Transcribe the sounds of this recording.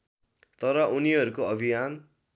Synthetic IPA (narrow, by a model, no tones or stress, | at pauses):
t̪ʌɾʌʔuniɦʌɾukoʌbʱijan